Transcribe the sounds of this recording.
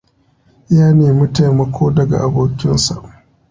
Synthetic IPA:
jaː˦neː˨mʊ˦ta˨mɐ˨kʷʰoː˦dɐ˨ɡa̰˨ʔa˨boː˨kʲɪ˦nsa̰˨ʔ

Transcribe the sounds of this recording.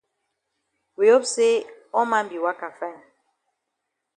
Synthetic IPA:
wi˨o˦pse˦ɔ˦mã˦m˦bi˨wa˦ka˨fɛ˦˨n

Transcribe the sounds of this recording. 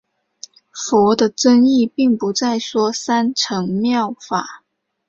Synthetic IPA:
fɔ˧˥d̪ə˧ʈ͡ʂə˥ŋi˥˧pi˥˩ŋpu˨˧˥t͡sa˥˩ɪswɔ˥sa˥nʈ͡ʂʰɤ˧˥ŋmjɑ˥˩ʊfa˨˩˦

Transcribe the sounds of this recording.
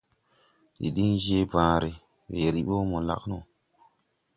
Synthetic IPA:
ɗḭ˨ɗi˦nd͡ʒe˦bãː˨ɾe˨ | we˨ɾi˦ɓo˦mo˨la̰˨kno˨

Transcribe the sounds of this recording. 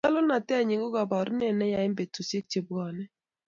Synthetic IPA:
a˦lo˦na˨tɛ˦a˨ɲɪ˨ɡo˦ɡa˨ba˨ɾu˦nɛ˦˨nɛ˦ja˨ɪ˦mbe˨to˨se˦k̚t͡ʃe˨ba˨nɛ˦

